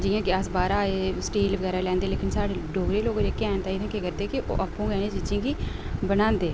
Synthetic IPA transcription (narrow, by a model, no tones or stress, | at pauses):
d͡ʒɪjãːɡjaːsbaːɾaːesʈiːlʋəɡɛːɾaːlɛ̃ːnd̪eːleːkɪnsaːɽeːɖoːɡɾeːloːɡd͡ʒeːkːɛːnt̪aːiːt̪ʰãːkeːkəɾd̪eːkɪʔo̰ːʔapːõːɡɛːnẽːd͡ʒɪd͡ʒĩːɡiː | bənãːnd̪eː